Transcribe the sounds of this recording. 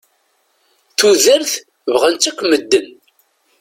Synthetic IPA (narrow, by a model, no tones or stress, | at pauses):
θuðəɾθ | vʁənt͡sːækʷːməd̪ːən